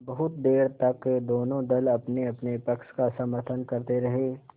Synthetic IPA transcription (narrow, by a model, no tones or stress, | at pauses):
bɐɦʊt̪̚d̪eːɾt̪ɐkːed̪oːnõd̪ɐlɐpneɐpnepɐkʃkasɐməɾt̪ʰənkɐɾt̪eɾɐɦeː